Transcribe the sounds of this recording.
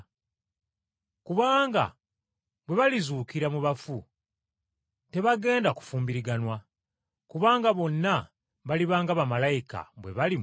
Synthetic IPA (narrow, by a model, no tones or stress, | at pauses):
kuβaːŋɡa̰ | βwe̞βalizuːkiɾamuβafu | te̞βaɡe̞ːndaku̥fuːmbiɾiɡanwa | kuβaːŋɡaβo̞nːa | βaliβaːŋɡaβamalajika̰βwe̞̰βali